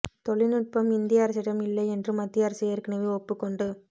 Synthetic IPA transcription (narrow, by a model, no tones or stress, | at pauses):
t̪ɔɭɪnɯʈ̚pɐmɪnd̪ɪjaːɾɐsɪɽɐmɪlːɐɪɛndrɯmɐt̪ːɪjɐːɾɐsɪjɐɾɯkːɪnɐʋeɔpːɯkːɔɳɖɯ